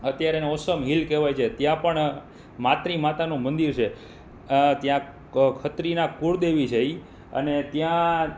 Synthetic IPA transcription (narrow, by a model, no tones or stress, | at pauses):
ət̪jaɾeneɔsəmɦilkeʋajt͡ʃʰet̪jãpəɳ | mat̪ɾimat̪anũmənd̪iɾt͡ʃʰe | t̪jã | kʰət̪ɾinakuɾd̪eʋid͡ʒəj | ə̰net̪jã